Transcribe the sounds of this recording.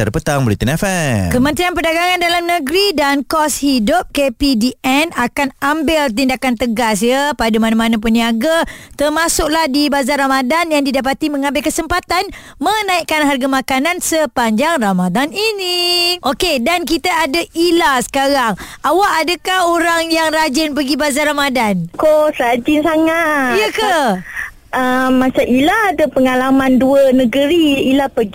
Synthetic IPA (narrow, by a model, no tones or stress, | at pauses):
aɾəpət̪aŋbolit̪inafɛkəmə̃nt̪ɾianpərdaɡaŋandalamnəɡɾidankɔshidʊp̚kepidiɛnakanambɪlt̪indakant̪əɡas̬jəpadamanamanap̬unːiaɡat̪ərmasʊk̚lahdibazarɾamadanjaŋdidapat̪iməŋãmbɪlkəsəmpat̪an | mənaiʔkanɦarɡamakanansəpaɲd͡ʒaŋramadaniniʔokedank̬it̪aadailasə̥kaɾaŋawaʔadakahoɾaŋjaŋrad͡ʒɪnp̬əɡibazarɾamadankosɾad͡ʒɪnsaŋajəka | əmːat͡ʃamilaːdapəŋalamãnduənə̃ɡəɾiilapəɡi